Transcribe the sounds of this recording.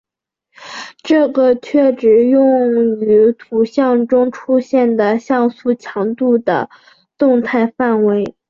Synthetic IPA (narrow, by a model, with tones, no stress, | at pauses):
ʈ͡ʂɤ˥˩ɡə˩t͡ɕʰɥɛ˥˩ʈ͡ʂɻ̩˨˩jʊ˥˩ŋy˧˥t̪ʰu˨˩ɕjɑ˥˩ŋʈ͡ʂʊ˥ŋʈ͡ʂʰu˥ɕjɛ˥˩nd̪ə˩ɕjɑ˥˧ŋsu˥˩t͡ɕʰjɑ˧˥ŋt̪u˥˩d̪ə̰˩ | t̪ʊ˥˧ŋt̪ʰa˥˧ɪfa˥˩nwe˧˥ɪ